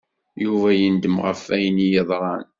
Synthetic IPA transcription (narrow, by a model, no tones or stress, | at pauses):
juvæjənd̪əmʁəfæjnijəðˤɾˤɑn